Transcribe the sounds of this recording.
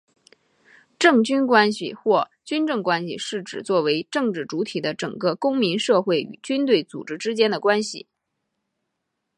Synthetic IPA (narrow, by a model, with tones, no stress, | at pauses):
ʈ͡ʂɤ˥˩ŋt͡ɕy˥nkwa˥nɕḭ˨xwɔ˥˩t͡ɕy˥nʈ͡ʂɤ˥˩ŋkwa˥nɕḭ˨ʂɻ̩˥˩ʈ͡ʂɻ̩˨˩t͡swɔ˥˩we˧˥ɪʈ͡ʂɤ˥˧ŋʈ͡ʂɻ̩˥˩ʈ͡ʂu˧˥t̪ʰi˨˩d̪ə˦ʈ͡ʂɤ̰˨˩ŋkə˧kʊ˥ŋmi˧˥nʂɤ˥˧xwe˥˩ɪy̰˨˩t͡ɕy˥nt̪we˥˩ɪt͡sṵ˨˩ʈ͡ʂɻ̩˥ʈ͡ʂɻ̩˥t͡ɕjɛ˥nd̪ə˨kwa˥nɕḭ˨˩